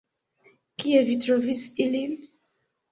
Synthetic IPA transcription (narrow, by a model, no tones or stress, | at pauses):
kiɛvit̪ɾovisilin